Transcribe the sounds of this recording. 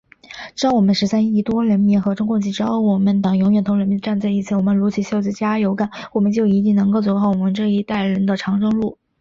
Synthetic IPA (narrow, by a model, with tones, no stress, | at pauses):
ʈ͡ʂɻ̩˥ɑ˥ʊwɔ˨˩mə˧˦nʂɻ̩˧˥sa˥ni˥˩t̪wɔ˥ɻə˧˥nmi˧˥nxɤ˧˥ʈ͡ʂʊ˥ŋkʊ˥˧ŋt͡ɕi˧˥˩ʈ͡ʂɻ̩˥xo˥˩ʊwɔ˨˩mə˧˥nt̪ɑ˨˩ŋjʊ˧˥ŋɥɛ˨˩nt̪ʰŋɻə˧˥nmi˧˥nʈ͡ʂa˥˧nt͡sa˥˧ɪi˥˩t͡sʰɹ̩˥˩wɔ˨˩mə˦nlu˧˥t͡ɕʰi˧˥ɕjo˥˧ʊt͡s̩˥˩t͡ɕja˥jo˧˥ka˨˩˦nwɔ˨˩mə˦nt͡ɕjo˥˩ʊi˧˥t̪i˥˩ŋnɤ˧˥ŋko˥˧ʊt͡swɔ˧˥xɑ˥˩ʊwɔ˨˩mə˧˦nʈ͡ʂɤ˥˧i˥˧t̪a˥˩ɪɻə˧˥nd̪ə˧ʈ͡ʂʰɑ˧˥ŋʈ͡ʂɤ˥ŋlu˥˩